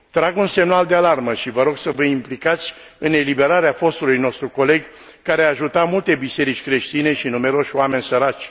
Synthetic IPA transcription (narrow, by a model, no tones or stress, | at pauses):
t̪ɾaɡunse̞mnald̪ealarməʃivəɾo̞ɡsəvəimplikat̪sʲ | ɨne̞libe̞ɾaɾeafo̞st̪ulujno̞st̪ɾuko̞le̞ɡʲ | kaɾeaːʒut̪amult̪e̞bise̞ɾit͡ʃʲkɾe̞ʃt̪ine̞ʃinume̞ɾo̞ʃʲoame̞nʲsəɾat͡ʃʲ